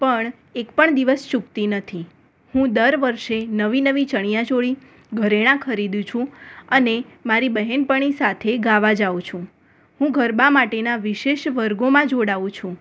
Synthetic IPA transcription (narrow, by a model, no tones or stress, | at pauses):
pəɳ | ekpəɳd̪iʋəst͡ʃukt̪inət̪ʰi | hũd̪əɾʋəɾʃenəʋinəʋit͡ʃəɳ̃ijãt͡ʃoɭi | ɡʱəɾeɽ̃ãkʰəɾid̪ũt͡ʃʰũənemaɾibəɦɛnpəɳ̃isat̪ʰeɡaʋad͡ʒaʋũt͡ʃʰũ | hũɡʱəɾbãmaʈenaʋiʃeʃʋəɾɡomãd͡ʒoɽaʋũt͡ʃʰũ